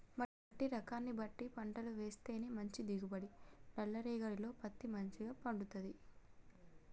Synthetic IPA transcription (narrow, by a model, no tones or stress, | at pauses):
mɐ | ɐʈːiɾɐkaːnːibɐʈːipɐɳʈɐluʋe̞ːst̪e̞ːneːmɐɲt͡ʃid̪iɡubɐɽinɛlːɐɾiːɡɐɽilo̞ːpɐt̪ːimɐɲt͡ʃiɡaːpɐɳɖut̪ɐd̪i